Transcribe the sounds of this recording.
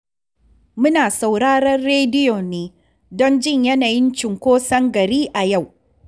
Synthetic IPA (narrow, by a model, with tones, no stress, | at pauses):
mʊ˦naː˨sa˨wɽaː˦ɽɐ˦rːeː˦dɪ˦joː˨neː˦ | dɔ˦nd͡ʒɪ˦˨ɲjɐ˦naː˨jɪ˦nt͡ʃɪ˨ŋkʷoː˦sɐ˦ŋɡɐ˨ɽiː˦ʔa˨ja˦˨w